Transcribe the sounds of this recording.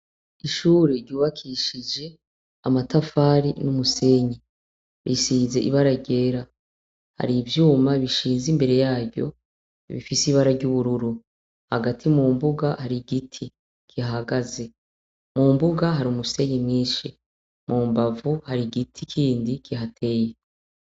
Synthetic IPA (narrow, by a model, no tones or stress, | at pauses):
iʃuːɾeɾɟuːβakʰiʃid͡ʒe̞ | amatafaːɾinumuse̞ːɲi | βisiːze̞ʔḭβaɾaɟe̞ɾa | ha̰ɾivjuːmaβiʃiːnzimbe̞ɾe̞jaːɾɟo̞̰ | βḭfisiβaɾaɟuβuɾuɾu | haɡatʰimuːmbuɡahaɾiɡitʰi | kʰiɦaɡaze̞ | muːmbuɡaɦaɾiumuse̞ɲimŋiːʃi | mʔuːmbavuhaɾiɡitʰikʰiːndikʰiɦatʰe̞ːje